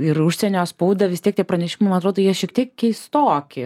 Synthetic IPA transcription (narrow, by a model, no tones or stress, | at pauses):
ɪɾʊʃʲsʲɛnʲoːspuʊd̪ɐʋʲɪst̪ʲiɛkt̪ʲiɛpɾɐnʲɛʃʲɪmɐɪmɑnɐt̪ɾoːd̪ojiɛʃʲiɛkt̪ʲiɛkkʲɛɪst̪oːkʲɪ